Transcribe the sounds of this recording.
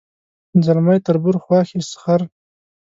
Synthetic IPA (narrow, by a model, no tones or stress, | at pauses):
nzalmajt̪aɾbʊɾxwɑːxisxaɾ